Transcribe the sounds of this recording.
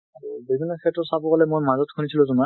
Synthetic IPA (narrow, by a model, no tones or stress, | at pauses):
abibʱinɔkʰɛtɔsabɔkalɛmujmazɔtkʰunisilɔzuma